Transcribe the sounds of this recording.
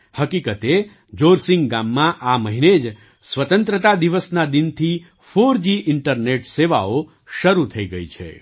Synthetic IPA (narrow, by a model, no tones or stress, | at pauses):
həkikət̪e | d͡ʒoɾsɪ̃ŋɡɡamːãʔaməɦined͡ʒ | sʋət̪ənt̪ɾət̪ad̪iʋəsnad̪int̪ʰi | foɾd͡ʒiʔɪɳʈəɾneʈseʋa̰o | ʃəɾut̪ʰəiɡəit͡ʃʰḛ